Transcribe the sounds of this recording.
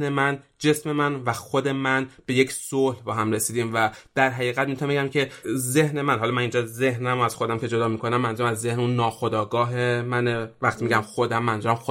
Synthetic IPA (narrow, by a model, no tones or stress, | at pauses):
nemænd͡ʒe̞sme̞mænvæxod̪e̞mænb̥e̞je̞cʰsohlbɒːɦæmre̞siːd̪iːmvæd̪̥æɾɦæɣiːɣæt̪̚mimt̪ʰonebeæmcʰe̞ze̞hne̞mænɦɒːlɒːmæniːnd͡ʒɒːze̞ɦnæmoæz̥xo̞d̪æmcʰe̞d͡ʒo̞d̪ɒːmikʰo̞næmːænzæmæzːehneunːɒːxo̞d̪ɒːɡɒːɦemænevæχt̪ʰimiɟæmxo̞d̪æmːænzɔæmxo